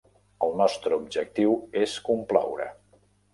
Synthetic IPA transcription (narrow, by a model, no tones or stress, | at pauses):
əlˠnɔst̪ɾəub̚d͡ʒək̚t̪iweskumpla̰wɾə̰